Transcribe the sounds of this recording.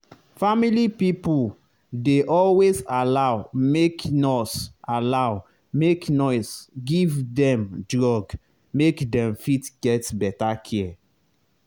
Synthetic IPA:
familipipul | deʔɔlwezalaʊmeknɔsalaʊ | meknɔɪsɡivdɛ̃mdɹɔɡ | mekdɛ̃mfitɡ̥ɛtbɛtakʰiɛ

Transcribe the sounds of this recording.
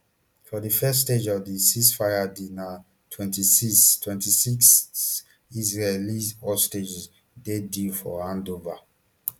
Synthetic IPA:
fɔðifɛsːted͡ʒɔvdisisfaɪadina | tʰwɛ̃ntisistʰwɛ̃ntisiks | izɹeliɔsted͡ʒz | dedifɔãndova

